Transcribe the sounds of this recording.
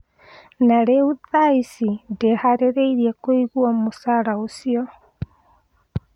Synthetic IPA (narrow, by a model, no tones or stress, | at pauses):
naɾeuðaisindehaɾeɾeiɾiekoiɣwamosaɾaosio